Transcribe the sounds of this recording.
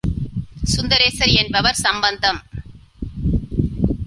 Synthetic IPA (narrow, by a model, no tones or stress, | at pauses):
sʊnd̪ɐɾeːsɐɾɛnbɐʋɐɾsɐmbɐnd̪ɐm